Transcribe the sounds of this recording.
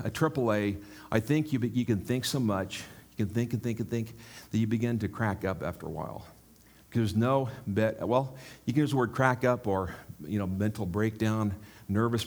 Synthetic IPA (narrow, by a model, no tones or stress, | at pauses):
ɨtʰɹ̥ɪpl̩ˠeɪ | ʔaɪθɪ̃ŋkʰjɨbɨkɨ̃nθɪ̃ŋksoʊmʌt͡ʃjɨkɨ̃nθɪ̃ŋkɨ̃nθɪ̃ŋkɨ̃nθɪ̃ŋkðɨt͡ʃɨbɨɡɪ̃ntɨkʰɹ̥ækʌpæ̰ftə̰˞ə̰wa̰ɪlˠ | kʰʌə˞znoʊbɛtwɛlˠjɨkɨ̃nʌzəwɜ˞d̚kʰɹ̥ækʌpə˞jɨnoʊmɛ̃ntʰˡl̩ˠbɹeɪk̚d̥ãʊ̃nːɜ˞vɨs